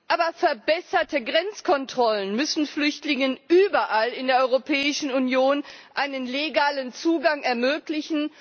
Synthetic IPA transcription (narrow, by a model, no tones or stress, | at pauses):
ʔaːbɐfɛɐbɛsɐtəɡʁɛnt͡skʰɔntʁ̥ɔlənmʏsn̩flʏçtlɪŋənʔyːbɐʔalɪndeːɐʔɔʏʁopʰɛːɪʃn̩unjoːnʔaɪnənleɡaːlənt͡suːɡaŋɛɐmøːklɪçn̩